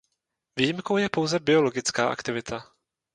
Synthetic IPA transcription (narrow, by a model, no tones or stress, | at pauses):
vijɪmko̞wjɛpo̞wzɛbɪo̞lo̞ɡɪt͡skaːʔa̰kt̪ɪvɪt̪ʰa